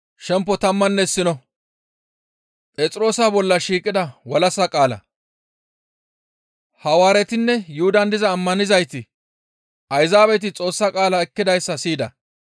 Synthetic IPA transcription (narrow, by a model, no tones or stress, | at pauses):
ʃɛmpːɔt̪ɐmːɐnːɛɪsːɪnɔ | pʼɛt͡sʼɪɾo̞ːsabɔlːɐʃiːkʼɪd̪ɐwɐlɐsɐkʼaːlɐ̰ | hɐwaːɾɛt̪ɪnːɛjʊhʊd̪ɐnd̪ɪzɐːmːɐnɪzɐjt̪ɪ | ʔɐjzaːβɛt̪̬ɪt͡sʼo̞ːsːɐkʼaːlɐɛkːɪd̪ɐjsːɐsiːd̪ɐ̰